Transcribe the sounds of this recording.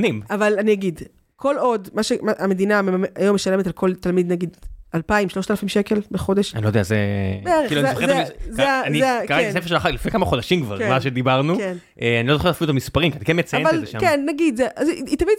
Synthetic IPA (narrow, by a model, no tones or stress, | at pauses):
nimavalaniaɡid | kʰo̞lo̞dmaʃemaʔame̞d̪inameajomːeʃalemetalkʰo̞lt̪almid̪naɡid̪alpaimʃlo̞ʃt̪alafimʃeke̞lbeχo̞de̞ʃanilod̪eazḛbeeeiluanzoezzeaniekaʁatiasefeʃelaχaklifnekamaχo̞d̪aʃimkva̰ʁkmaʃed̪ibaʁnuken | ʔeanilo̞zoχetːafilut̪amispaʁimkianakenmet͡sajaevaleʃmkenːaɡid̪zeʔazit̪amid